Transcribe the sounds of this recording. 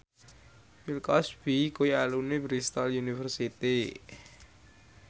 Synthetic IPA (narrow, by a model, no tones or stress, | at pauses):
wilkɔsb̥ikujalunebɾist̪aljunifərsit̪i